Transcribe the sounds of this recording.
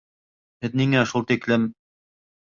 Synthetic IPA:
hɘðniŋæʃulˠt̪iklɘm

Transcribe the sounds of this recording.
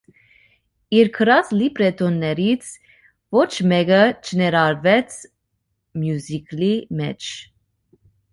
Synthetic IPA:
iɾkʰəɾɑslipɾɛt̪ʰɔnːɛɾit͡sʰ | vɔt͡ʃʰmɛɡət͡ʃʰənɛɾɑɾvɛt͡sʰ | mjuziklimɛ̰t͡ʃʰ

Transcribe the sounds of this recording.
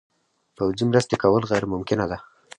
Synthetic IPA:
pawzimɾəst̪ekawəlɣajɾmʊmkɪnad̪a

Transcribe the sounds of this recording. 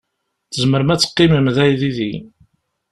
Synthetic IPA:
θəzməɾmæt͡sːə̥qːiməmðæjðiði

